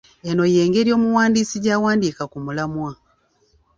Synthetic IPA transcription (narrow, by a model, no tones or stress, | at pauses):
eno̞je̞ːŋɡe̞ɾjo̞ːmuwaːndiːsiɟaːwaːndiːkakumulamwa